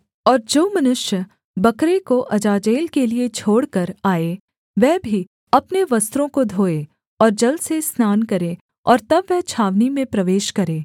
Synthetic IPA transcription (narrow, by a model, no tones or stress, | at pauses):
ɔːɾd͡ʒoːmɐnʊʃjə | bɐkɾekoʔɐd͡ʒaːd͡ʒeːlkeliet͡ʃʰoːɽkɐɾaːe | ʋɛɦbʱi | ɐpneʋɐst̪ɾõkod̪ʱoːe | ɔːɾd͡ʒɐlsesnaːnkɐɾẽ | ɔ̰ːɾt̪ɐbʋɛɦt͡ʃʰaːʋnimẽpɾɐʋeːʃkɐɾeː